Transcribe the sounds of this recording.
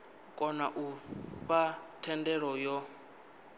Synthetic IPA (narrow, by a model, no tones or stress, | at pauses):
kʼɔnaʔufatʰɛndɛɺɔjɔ